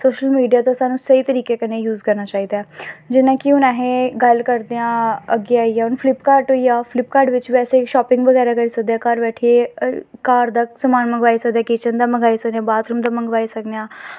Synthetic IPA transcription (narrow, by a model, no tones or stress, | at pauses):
soːʃəlmiːɖijaːt̪õːsaːnũːsəiːt̪əɾiːkeːkəneːjuːzkəɾnaːt͡ʃaːiːd̪aɛːd͡ʒɪnãːkɪʊnaːɦẽːɡəlkəɾd̪eãːəɡeaːiaːʊnpʰlɪpkaːɾɖɦoːiaːpʰlɪpkaːɾɖʋɪt͡ʃʋɛːseːkʃɔːpɪ̃ŋɡʋəɡɛːɾaːkəɾiːsək̚d̪ejaːkaːɾʋɛːʈʰieːkaːɾd̪aːsəmaːnmə̃ŋɡʋaːiːsəkd̪eaːkɪt͡ʃənd̪aːməŋɡaːisəkd̪eãːbaːt̪ɾʊmd̪aːməŋɡʋaːisəkd̪eãː